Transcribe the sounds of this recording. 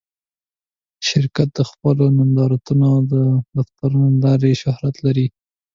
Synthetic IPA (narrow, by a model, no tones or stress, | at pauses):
ʃɪɾkat̪̚d̪əxpəlonand̪ɑɾat̪unod̪əbaspaɾnalɑɾeʃʊhɾat̪laɾi